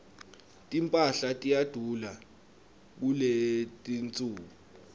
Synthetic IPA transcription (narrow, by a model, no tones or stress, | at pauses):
tʼimpʼaɬatʼijad̥ʱula | k̬uletʼint͡sʼuːku